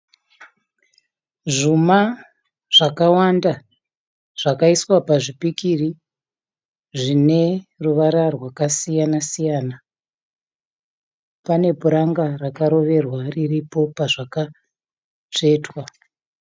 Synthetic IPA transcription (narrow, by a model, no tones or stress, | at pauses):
ʐuma | ʐ̥akawanda | ʐ̥akaiswapaʐipikiri | ʐine̞ruʋaɾarwakasijanasijaːna | pane̞puɾaŋɡarakaɾo̞ʋe̞rwariripo̞paʐaka | t͡ʂe̞ːtwa